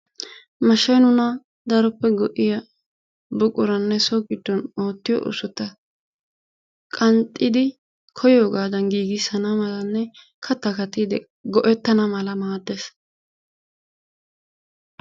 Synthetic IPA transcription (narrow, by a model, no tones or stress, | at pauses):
mɐʃɐjnʊnɐ | d̪ɐɾɔpːɛɡɔʔɪjɐ | bʊkʼʊɾɐnːɛsɔɡɪd̪ːɔnoːt̪ːɪjɔ̰ʔʊ̰sʊt̪ːɐ | kʼɐnt̪ʼːɪd̪ɪ | kʰɔjo̞ːɡaːd̪ɐnɡiːɡɪsɐnɐmɐlɐnːɛ | kʰɐt̪ːɐkɐt̪id̪ɛ | ɡɔʔɛt̪ːɐnɐmɐlɐmaːd̪ːes